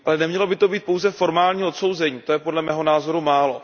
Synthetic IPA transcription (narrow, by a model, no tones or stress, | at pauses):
ʔalɛnɛmɲɛlo̞bɪt̪o̞biːt̪̚po̞wzɛfo̞ɾmaːlɲiːot̪so̞wzɛɲiːt̪ojɛpo̞dlɛmɛːɦo̞naːzo̞ɾumaːlo̞